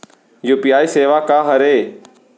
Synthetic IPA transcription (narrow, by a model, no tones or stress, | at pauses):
juːpijaːiːseːʋaːkaːɦəɾeː